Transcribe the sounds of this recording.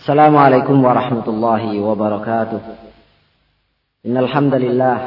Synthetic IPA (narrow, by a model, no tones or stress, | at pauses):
ʔʔḁsːalaːmʊʕalajkʊmwɑɾˤɑħmat̪ʊlˤːɑːɦɪwabɑɾˤɑkaːt̪ʊh | ʔɪnːalħamd̪alɪlːaːh